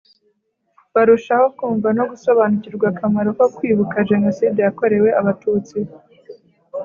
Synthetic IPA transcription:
βaɾuʃaho̞kuːɱvano̞ɡuso̞βanuciɾɡwakʰamaɾo̞ko̞kwiːβukaʒe̞no̞siːdejako̞ɾe̞we̞ʔaβatuːt͡si

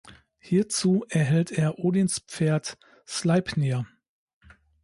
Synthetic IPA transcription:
hiːɐt͡suːʔɛɐɦɛlteːɐʔoːdinspp͡feːɐt | slaɪpniɐ

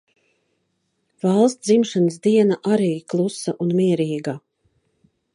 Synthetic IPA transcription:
valˠst̪zimʃanəs̬d̪iɛnaʔaɾiːklˠusaʔunmʲiɛɾiːɡa

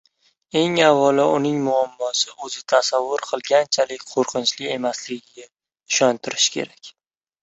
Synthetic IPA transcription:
e̞ŋavːɒlaʊnɪŋmʊamːɒsɪʔɵzɪt̪ʰasavːʊɾqʰɨlˠɡʲant͡ʃʰalɪkʲqʰoɾqʰɨnt͡ʃlɪe̞maslɪɡʲɪɡʲa | ɪʃɒnt̪ʰɪɾɪʃkʲʰe̞̰ɾakʲ

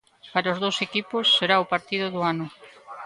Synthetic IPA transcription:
paɾaozðowsekipʊsːeɾaopaɾt̪iðʊðʊanʊ

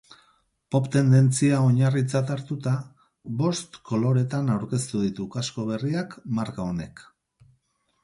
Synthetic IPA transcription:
po̞pt̪e̞nd̪e̞nt͡siao̞ɲarit͡sat̪aɾt̪ut̪a | βo̞st̪ko̞lo̞ɾe̞t̪anawɾke̞st̪uð̞it̪ukasko̞β̞e̞riakmaɾkao̞ne̞k

